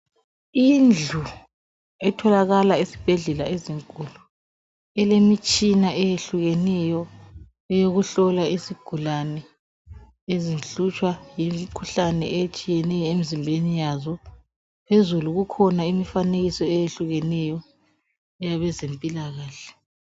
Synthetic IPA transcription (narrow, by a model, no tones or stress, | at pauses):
ind͡ɮʱu | ɛtʰɔlaɣalaisi̥b̥ʱeɮɛlaeziŋkʼulu | ɛlemit͡ʃʼinaʔɛjeɬuɣenɛjɔ | ɛjoɣuɬɔlaisiɡ̥ʱulanɛ | ezinɬut͡ʃʼwajimikʰuɬanɛ̰ɛjet͡ʃʼijɛnɛjɔemizimbʱenijazɔ | pʰezuluɣukʰɔnaimifaneɣisɔɛjeɬuɣɛnɛjɔ | ɛjaβɛzempʼilaɣaːɬɛ̥